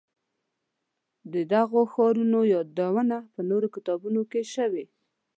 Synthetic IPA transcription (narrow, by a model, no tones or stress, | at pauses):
d̪əd̪aɣoxɑɾunojɑd̪awənapənoɾokɪt̪ɑbunokeʃəwe